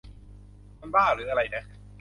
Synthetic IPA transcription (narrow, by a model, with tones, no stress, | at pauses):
ma˧nbaː˥˩ɾɯː˨˦ʔa˧ɾa˧jdɛ˦˥˩